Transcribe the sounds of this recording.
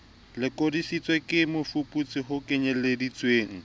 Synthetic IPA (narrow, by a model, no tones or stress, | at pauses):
lɪkʼodisit͡sʼwekʼɪmʊfʊpʼut͡sʼɪɦʊkʼɪɲɛledit͡sʼweːŋ̩